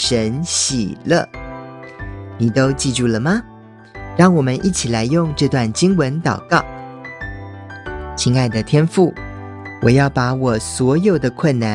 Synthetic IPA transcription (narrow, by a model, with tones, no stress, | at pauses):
ʂə˧˥nɕḭ˨˩lə̰˥˧ | ni˨˩t̪o˥ʊt͡ɕi˥˧ʈ͡ʂy˥˩lə˩mɐ˩ | ɻɑ˥˩ŋwɔ˨˩mə˦nʔi˥˩t͡ɕʰi˨˩la˧˥ɪjʊ˥˧ŋʈ͡ʂɤ˥˧t̪wa˥˩nt͡ɕi˥ŋwə˧˦nt̪ɑ˨˩ʊkɑ˥˩ʊ | t͡ɕʰi˧˥ŋa˥˩ɪd̪ə˨˩t̪ʰjɛ˥nfu˥˩ | wɔ˨˩jɑ˥˩ʊpa˧˥wɔ˨˩swɔ˧˥jo˨˩ʊd̪ə˦kʰwə˥˩nna˧˥